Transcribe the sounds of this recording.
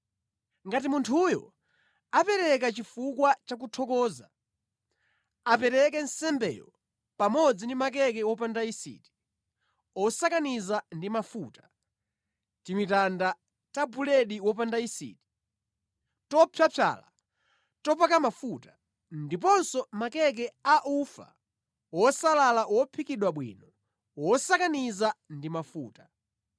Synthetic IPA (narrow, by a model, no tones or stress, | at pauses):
ŋɡatimuntʰujɔ̰ | apɛɾɛkat͡ʃifukwat͡ʃak̬utʰɔkɔːza | apɛɾɛk̬ɛn̩sɛmbɛ̰jɔ̰ | pamɔd͡zindimakɛkɛwɔpandaisḭːti̥ | ɔsakanizandimafutḁ | timitanda | tabulɛɗiwɔp̬andaisḭːti̥ | tɔpʰjapʰa̰la̰ | tɔpakamafuta | ndipɔnsɔmakɛk̬ɛaʔufa̰ | wɔsalalawɔpʰikiɗwaɓwḭnɔ | wɔsakanizandimafuːtḁ